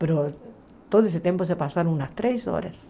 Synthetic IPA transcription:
peɾo | t̪oðoes̬et̪jempoes̬epasaɾounast̪ɾejso̰ɾas

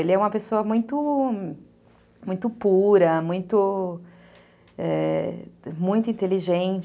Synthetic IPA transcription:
elɪɛũmɐpesoɐmũj̃t̪ʊ | mũj̃t̪ʊpuɾɐmũj̃t̪ʊ | ɛ | mũj̃t̪ʊĩnt̪eliʒẽnt͡ʃ

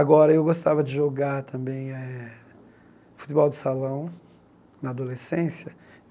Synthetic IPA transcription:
aɡɔɾɐewɡost̪avɐd͡ʒɪʒoɡaɾt̪ʰɐ̃bẽj̃ɛ | fu̥t̪ɪbɔwd̪ɪsalɐ̃w̃ | nɐad̪olesẽsjɐ

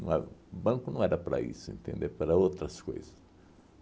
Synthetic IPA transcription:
nɐ̰̃ɛbɐ̃ŋkʊnɐ̃w̃ɛɾɐpaɾɐ̰ḭsʊḛ̃nt̪ḛ̃nd̪eɾpaɾɐot̪ɾɐsko̰jzɐs

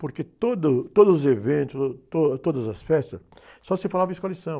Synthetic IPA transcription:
poɾket̪od̪ʊt̪od̪ʊzʊzevẽnt̪ʊzt̪ot̪od̪ɐzɐsfɛst̪ɐssɔsefalavɐisʊkalisɐ̃w̃

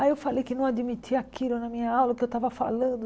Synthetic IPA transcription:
aiewfalejkɪnɐ̃w̃ad͡ʒ̪imit̪ʰiakʰilʊnɐmĩɲɐawlɐkɪewt̪avɐfa̰lɐ̃nd̪ʊ

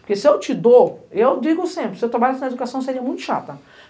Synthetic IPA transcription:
poɾkesɪewt͡ʃɪd̪oewd͡ʒiɡʊsẽpɾɪsɪewt̪ɾabaʎasinɐed̪ukasɐ̃w̃seɾiɐmũj̃t̪ʊ̥ʃa̰t̪ɐ

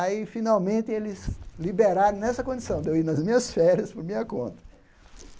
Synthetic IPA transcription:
aifinawmẽnt̪ɪelɪzlibeɾaɾõnɛsɐkõd͡ʒisɐ̃w̃d̪ewiɾnɐzmĩɲɐsfɛɾjɐspoɾmĩɲɐkõ̰nt̪ɐ̥

